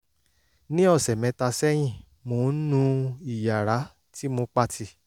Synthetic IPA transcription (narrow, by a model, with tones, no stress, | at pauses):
nĩ˦ɔ˦˨sɛ˨mɛ̃˨˧˦ta˧sɛ˦j̃ĩ˦˨ | mo˧˦nũ˧i˦˨ja˨ɾa˨˦ | ti˦mo˧k͡pa˦˨tʰi˧